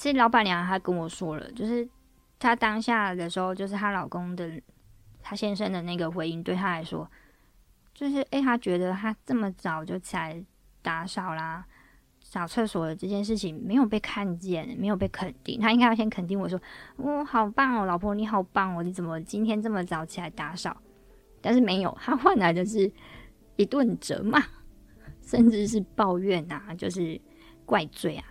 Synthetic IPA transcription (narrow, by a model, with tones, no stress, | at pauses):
t͡ɕʰi˧˥˧lɑ˧˥ʊba˨˩nljɑ˨ŋ˧˥xa˧˥ɪkə˦nwɔ˨˩ʂwɔ˦˥lə̰˨t͡ɕjo˥˧ʊʂɻ̩˥˩ | t̪ʰa˥t̪ɑ˥ŋɕja˥˩d̪ə˩ʂɻ̩˧˥xo˥˧ʊt͡ɕo˥˧ʂɻ̩˥˩t̪ʰa˥lɑ˨˩ʊkʊ˥ŋd̪ə˨ | t̪ʰa˥ɕjɛ˥nʂə˥nd̪ə˨na˥˩ɡə˩xwe˧˥ɪi˧˥ŋt̪we˥˩ɪt̪ʰa˥la˧˥ɪʂwɔ̰˦ | t͡ɕjo˥˧ʊʂɻ̩˥˩ʔe˥˩ɪt̪ʰa˥t͡ɕɥɛ˧˥d̪ə˧t̪ʰa˥ʈ͡ʂɤ˥˩mə˩ʈ͡ʂɑ˨˩ʊt͡ɕjo˥˩ʊt͡ɕʰi˨la˧˦ɪ | t̪a˧˥ʂɑ˨˩ʊla˩ | ɕɑ˨˩ʊt͡sʰɤ˥˩swɔ˨˩d̪ə˦ʈ͡ʂɤ˥˧t͡ɕjɛ˥˧nʂ̬ɻ̩˥˩t͡ɕʰi˨˩ŋme˧˥ɪjo˨˩ʊpe˥˧ɪkʰa˥˧nt͡ɕjɛ˥˩nme˧˥jp̬e˥˩kʰə˨˩nt̪ḭ˥˩ŋt̪ʰa˥i˧˥ŋka˥jɕjɛ˥kʰə˨˩nt̪̬i˥˩ŋwɔ˨˩ʂwɔ˥ɔ˥˧˩xɑ˨˩ʊpa˥˩ŋɔ˩lɑ˨˩ʊpʰwɔ˥ni˨˩˥xɑ˨˩ʊpa˥˩ŋɔ˨˩ni˨˥t͡sə˨˩mə˦t͡ɕi˥nt̪ʰjɛ˥nt͡sə˥˩mə˩t͡sɑ˨˩˦ʊt͡ɕʰi˨˩la˧˥ɪt̪a˧˥ʂɑ˨˩˦ʊ | t̪a˥˧nʂɻ̩˥˩me˧˥ɪjo˨˩˦ʊt̪ʰa˥xwa˥˩nla˧˥ɪd̪ə˨ʂ̬ɻ̩˥˩ | i˧˥t̪wə˥˩nʈ͡ʂə̰˧˥˦ma˨˩ | ʂə˥˧nʈ͡ʂɻ̩˥˧ʂ̬ɻ̩˥˧pɑ˥˧ʊɥɛ˥˩na˨˩t͡ɕjo˥˧ʊʂ̬ɻ̩˥˩ | kwa˥˧ɪt͡swe˥˩ɪa˩